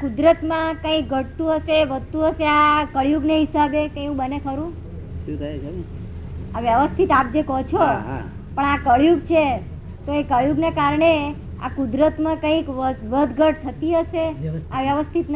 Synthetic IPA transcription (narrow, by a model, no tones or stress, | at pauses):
kud̪ɾət̪mãkə̃ĩk̚ɡʱəʈt̪ũɦəʃeʋəst̪ũəʃeakəɭjuɡneɦisabekəjũbənekʰəɾũ | ʃũt̪ʰə | aʋjəʋəst̪ʰit̪ap̚d͡ʒekɔt͡ʃʰoɦ | pəɳakəɭjuɡt͡ʃʰe | t̪oekəɭjuɡnekaɾɳe | a̰kud̪ɾət̪mãkəĩkʋəd̪ʱɡʱəʈ̚t̪ʰət̪iɦəʃeaʋjəʋəst̪ʰit̪n